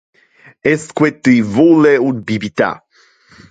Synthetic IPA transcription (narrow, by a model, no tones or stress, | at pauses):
ɛskwet̪ivolɛud̪bibit̪a̰